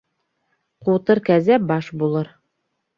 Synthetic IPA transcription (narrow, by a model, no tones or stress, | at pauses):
qut̪ɤɾkæzæp̚bɑʃbulˠɤɾ